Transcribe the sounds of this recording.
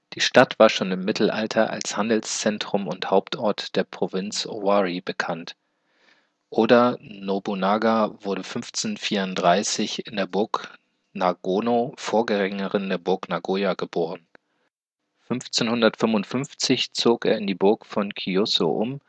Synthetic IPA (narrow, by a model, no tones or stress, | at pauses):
d̥iːʃtatv̥aːɐʃoːnɪmːɪtʰl̩ʔa̰ltʰɐʔa̰lshandl̩st͡sɛntʁ̥ʊmʊnthaʊptʔɔɐtd̥eːɐpʁ̥ovɪnt͡soaʁibəkʰant | ʔoːdɐnobunaɡavʊɐdəfʏnft͡seːnfiːɐʊntd̥ʁaɪsɪçɪndeːɐbʊɐk | naɡoːnofoːɐɡəʁɛŋəʁɪndeːɐbʊɐknaɡoːjaɡəboːʁ̞ən | fʏnft͡seːnhʊndɐtfʏmʊntfʏnft͡sɪçt͡soːkḛːɐɪndiːbʊɐkfɔnkʰiɔso̰ʔʊm